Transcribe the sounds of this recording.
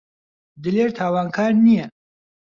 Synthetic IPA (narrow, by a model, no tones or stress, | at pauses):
d̪ɨleɾt̪ʰaːwaːnkʰaːɾnijɛ